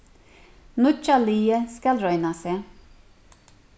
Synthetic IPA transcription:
nʊt͡ʃɑliːəskɑlɾœʏnɑseː

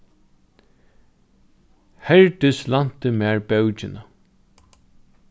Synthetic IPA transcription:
hɛɹt̪ɪslan̥t̪əmɛːɹbɛwt͡ʃɪna

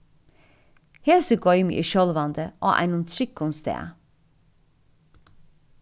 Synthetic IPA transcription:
heːsəɡɔʏm̰ʔḭʃɔlʋɑnd̪əʔo̰ːʔæ̰ɪnʊnt̪ʰɾɪkːʊnst̪ḛː

